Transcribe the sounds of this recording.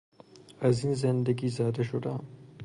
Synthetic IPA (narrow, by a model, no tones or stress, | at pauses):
ɐzinzɐnd̪ɐɡiːzaːd̪ɐʃʊd̪a